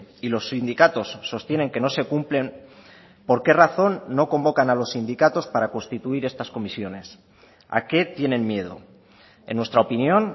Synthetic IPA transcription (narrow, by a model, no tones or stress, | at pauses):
ilo̞sːind̪ikat̪o̞sːo̞st̪je̞ne̞ŋke̞no̞se̞kumple̞m | po̞ɾke̞raθo̞nːo̞ko̞mbo̞kanalo̞sːind̪ikat̪o̞spaɾako̞nst̪it̪uiɾe̞st̪asko̞misjo̞ne̞s | a̰ke̞t̪je̞nẽ̞nmje̞ð̞o̰ | e̞nːwe̞st̪ɾaopinjo̞n